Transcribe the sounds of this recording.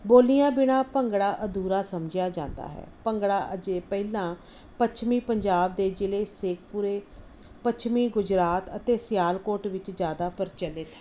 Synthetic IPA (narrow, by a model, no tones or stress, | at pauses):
boːlijãːbɪɽãːpəŋɡɽaːʔəd̪uːɾaːsəmd͡ʒɪjaːd͡ʒã̰ːnd̪a̰ːɦɛ̰ːpəŋɡɽaːʔəd͡ʒeːpɛilãː | pət͡ʃʰmiːpəɲd͡ʒaːb̚d̪eːd͡ʒɪleːseːk̚pʊɾeː | pət͡ʃʰmiːɡʊd͡ʒɾaːt̪ət̪eːsjaːlkoːʈʋɪt͡ʃd͡ʒjaːd̪aːpəɾt͡ʃəlɪt̪ɦɛː